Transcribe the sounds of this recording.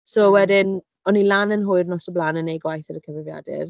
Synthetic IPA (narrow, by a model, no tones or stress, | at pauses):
sowɛdɪn | ɔnilˠanənɦʊɨrnɔsɔblˠanənejɡwajθəɾəkʰəvrɪvja̰dɪ̰r